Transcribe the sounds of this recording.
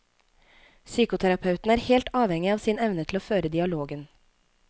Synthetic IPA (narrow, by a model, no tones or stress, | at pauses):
syːkʊt̪ʰæɾɑpʰɑʉt̪n̩æːɾhɛːlt̪ɑːʋhɛŋɪɑːʋsiːnɛʋnət̪ʰl̩oːføːɾəd̪ɪɑloːɡən